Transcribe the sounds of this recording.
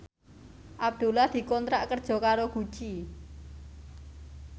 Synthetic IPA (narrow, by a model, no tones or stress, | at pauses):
ʔab̚d̪̥ṳlahd̪̥i̤kɔnt̪ɾaʔkərd̥ʒ̥ɔ̤kaɾoɡ̥u̥ʒ̥i